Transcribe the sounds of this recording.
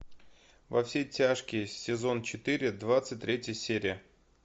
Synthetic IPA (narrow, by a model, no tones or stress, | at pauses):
vɐfsʲejtʲaʂkʲɪjsʲɪzo̞nt͡ɕɪt̪ɨɾʲɪd̪vat̪sɨt̚ʲt̪ɾʲetʲjəsʲeɾʲɪjə